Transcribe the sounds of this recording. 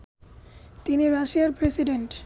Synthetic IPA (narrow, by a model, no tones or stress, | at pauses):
t̪iniɾaʃiaɾpɾesiɖeɳʈ